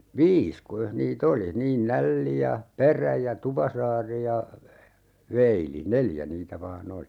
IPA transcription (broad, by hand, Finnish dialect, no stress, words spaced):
ʋiːs kuijɑh niːt oli niːn nælːi jɑ peræ jɑ tupɑsɑːri jɑ ʋeili neljæ niːtæ ʋɑːn oli